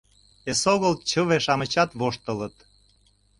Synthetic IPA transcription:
esoɣəlt͡ɕəβeʃɑmət͡ɕɑt̪βoʃt̪ə̆lət̪

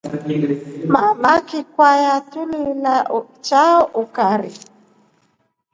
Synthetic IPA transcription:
mamakɪkwajatʊlɪla | t͡ʃaʊkaɾɪ̰

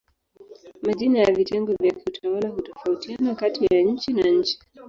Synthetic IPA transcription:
maʄinajavitɛŋɡɔvjakutʰawalaɦutɔfautianakatijaɲ̩t͡ʃinaɲ̩t͡ʃi̥

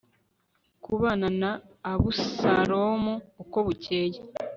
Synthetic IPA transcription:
kuβananaː | βusaɾomoːko̞βuceːje

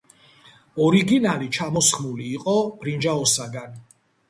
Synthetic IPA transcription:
ɔɾiɡinalit͡ʃʰamɔsχmuliːqʼɔb̥ɾind͡ʒaɔsaɡan

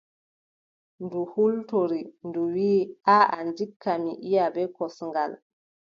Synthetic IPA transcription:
nduhultoɾinduwiːaandikʰːamiʔijabɛkɔsŋɡal

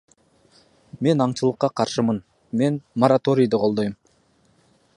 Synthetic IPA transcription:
me̞nɑɴt͡ʃɯlˠəqːɑqʰɑɾʃɨmɯn | me̞nmɐɾat̪o̞ɾʲijd̪ɨqʰo̞lˠd̪ojm

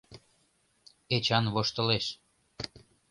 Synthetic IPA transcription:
et͡ɕɑnβoʃt̪ə̆leʃ

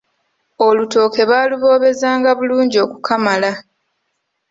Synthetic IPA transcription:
o̞luto̞ːke̞βaːluβo̞ːβe̞zaːŋɡaβuluːɲɟio̞ːkukʰamala

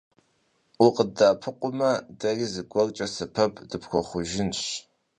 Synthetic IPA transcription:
ʊqədaːpʰɨqʷʊmɐdɐriːzɨɡʷɔrt͡ʃʼɐsɐpʰɐpʰdɨpxʷɔχʷʊʒɪnɕ

